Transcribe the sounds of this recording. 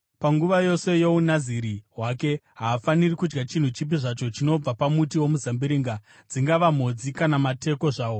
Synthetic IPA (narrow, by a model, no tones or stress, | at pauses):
paŋɡuʋajo̞se̞jounaziɾiɦwake̞ɦaːfanirikud͡ʒɡat͡ʃin̤ut͡ʃip̬iʐat͡ʃo̞t͡ʃino̞b͡vapamutiwo̞muzambiɾiːŋɡa | d͡ziŋɡaʋam̤o̞d͡zikanamate̞ko̞ʐaːwo̞